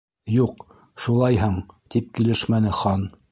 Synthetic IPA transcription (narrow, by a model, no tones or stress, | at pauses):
juq | ʃulˠɑjɦɤɴt̪ip̚kilɘʃmænɘχɑn